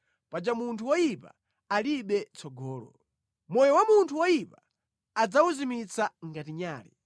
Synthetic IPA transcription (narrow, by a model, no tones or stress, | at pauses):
pad͡ʒamuntʰuwɔjipa̰ | aliɓɛt͡sɔɡɔːlɔ̰ | mɔjɔwamuntʰuwɔjipa | ad͡zauzimit͡saŋɡatiɲaːlḭ